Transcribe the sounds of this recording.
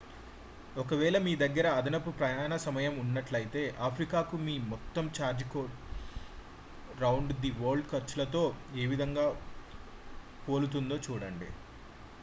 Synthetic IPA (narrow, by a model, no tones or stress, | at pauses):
ɔkɐʋɛːlɐmiːd̪ɐɡːɐɾɐːd̪ɐnɐpupɾɐjaːnɐsɐmɐjɐmunːɐʈlɐjit̪e̞ːʔaːpʰɾikaːkumiːmɔt̪ːɐmt͡ʃaːɾd͡ʒikoː | ɾɐwɳɖd̪iʋɐːɾɖkɐɾt͡ʃːulɐt̪o̞ːe̞ːʋid̪ʱɐŋɡaː | po̞ːlut̪̬und̪o̞ːt͡ʃuːɽɐɳɖḭ